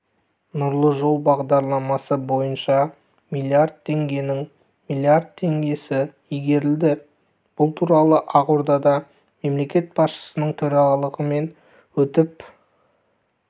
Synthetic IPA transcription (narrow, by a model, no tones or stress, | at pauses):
nʊɾlˠəʒo̞lˠbɑʁd̪ɑɾlˠɑmɑsəbo̞jənʃɑ | mijlˠiard̪̚t̪ʰːe̞ŋɡʲe̞nɪŋ | milˠiard̪̚t̪ʰe̞ŋɡʲe̞sɪ | ijɡʲe̞ɾɪld̪ɪ | b̥ʊlˠt̪ʰuɾɑlˠəʔɑquɾd̪ɑd̪ɑ | me̞mle̞kʲe̞t̪̚bɑsʃə̥sənəɴt̪ʰɵɾɑʁɑlˠəʁəme̞n | wɵt̪ɪp̚